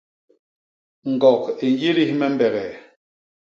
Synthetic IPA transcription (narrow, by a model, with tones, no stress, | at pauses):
ŋ̩˨ɡɔ˨ke˨n˦je˦li˦hmɛ˦m˦bɛ˨ɣɛ˨